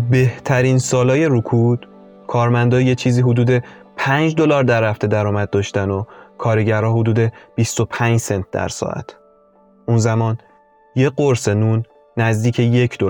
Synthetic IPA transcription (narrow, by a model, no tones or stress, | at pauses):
be̞ht̪ʰæɾiːnsɒːlɒːje̞ɾukʰud̪̥ | kʰɒːɾmænd̪ɒːjet͡ʃʰiːziːɦod̪uːd̪e̞pʰænd͡ʒd̪o̞lɒːɾd̪æɾːæft̪e̞d̪æɾɒːmæd̪̚d̪ːɒːʃt̪ænokʰɒːɾeɟæɾɒːhod̪uːd̪e̞b̥ist̪o̞pʰænd͡ʒsent̪̚ʰd̪æ̰ɾsɒ̰ʔæ̰t̪ʰ | ʔunzæmɒːn | jeɢoɾsenuːnː | æzd̪iːcʰeje̞cʰd̪o